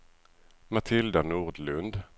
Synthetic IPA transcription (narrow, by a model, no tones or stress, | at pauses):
mat̪ʰɪld̪anuːʁd̪lɵnd̪